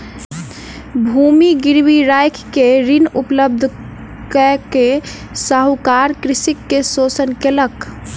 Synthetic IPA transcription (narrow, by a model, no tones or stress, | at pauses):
bʱumiɡiɾbiɾajkʰkeɾinupləb̚d̪ʱ | kəke | saɦukaɾkɾisikːesosənkelək